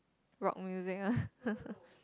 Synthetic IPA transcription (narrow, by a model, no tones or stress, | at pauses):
ɹɔ̰k̚mjuzɪka